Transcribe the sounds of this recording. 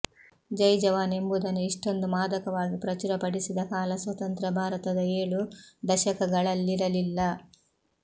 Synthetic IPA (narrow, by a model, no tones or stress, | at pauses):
d͡ʒɐjd͡ʒɐʋaːne̞mbud̪ɐnːuiʂʈo̞nd̪umaːd̪ɐkɐʋaːɡipɾɐt͡ʃuɾɐpɐɽisid̪ɐkaːlɐsʋɐt̪ɐnt̪ɾɐbʱaːɾɐt̪ɐd̪ɐeːɭud̪ɐʃɐkɐɡɐɭɐlːiɾɐlilːɐ